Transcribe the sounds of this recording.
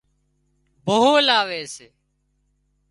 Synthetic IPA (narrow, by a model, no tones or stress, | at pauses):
bʱəɦoːlaːʋeːseː